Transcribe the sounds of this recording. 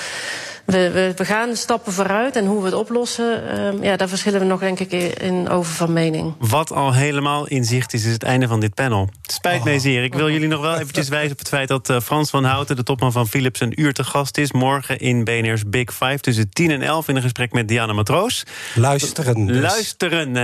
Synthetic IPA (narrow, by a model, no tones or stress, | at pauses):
ʋəʋəʋəɣaːnstɑpəvoːɾœɥtɛnɦuʋəətɔplɔsəjaːdaːɹvəɹsχɪlənʋənɔxdɛŋkɪkɪ̰no̰wvəvɑnmejnɪ̰ŋʋɑtʰɑlˠɦejləmaːlˠɪnzɪχtɪs̬ɪsətɛ̰jndəvɑndɪt̚pɛnəlˠspɛjtmɛjzɪːrɪkʋɪlˠjɵlinɔχʋɛlˠejvəɲcəs̬ʋɛjzəɔpə̥tfɛjt̚dɑtfrɑnsfɑnɦɑwtədətɔpmɑnvɑnfilɪpsənyːɹtəχɑstɪsmɔɹχəʔɪnbejɛnɛɹs̬bɪkfajftɵs̬ətinɛnʔɛ̰lˠfɪnənχəsprɛkmɛt̚dijaːnəmatrowsstənlœɥstərən